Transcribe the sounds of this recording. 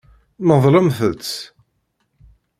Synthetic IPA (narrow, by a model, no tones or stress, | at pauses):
məðˤləmθət͡sː